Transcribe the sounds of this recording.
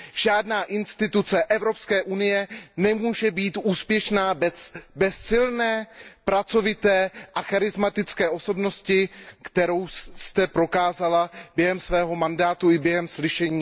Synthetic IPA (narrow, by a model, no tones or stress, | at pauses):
ʒ̥aːdnaːʔɪnst̪ɪt̪ut͡sɛʔɛvɾo̞pskɛːʔunɪjɛnɛmuːʒɛbiːt̪ʔuːspjɛʃnaːbbɛsːɪlnɛːpɾat͡so̞vɪt̪ɛːʔaxaɾɪzmat̪ɪt͡skɛːʔo̞so̞bno̞scɪkt̪ɛɾo̞wst̪ɛpɾo̞kaːzalabjɛɦɛmsvɛːɦo̞mandaːt̪uɪbjɛɦɛmslɪʃɛɲiː